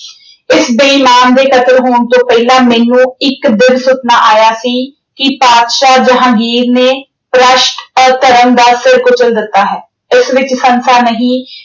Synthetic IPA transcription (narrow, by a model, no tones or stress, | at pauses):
ɪsbəiːmaːnd̪eːkʰət̪əɾɦoːɳt̪õːpɛːlãːmɛːnũːɪkd̪ɪʋsʊt̪naːʔaːjaːsiː | kɪpaːd̪ʃaːd͡ʒəɦãːɡiːɾneː | pɾəʃʈət̪əɾəmd̪aːsɪɾkʊt͡ʃəld̪ɪt̪ːaːɦɛː | ɪsʋɪt͡ʃsənsaːnəɦĩː